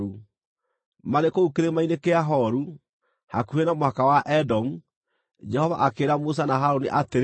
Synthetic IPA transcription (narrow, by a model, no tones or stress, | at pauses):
u | maɾekoukeɾemainekeaɦɔɾu | hakuenamoakawaʔɛdɔmu | d͡ʒɛhɔva̰ʔakeːɾamos̬anaɦaɾoniʔateɾ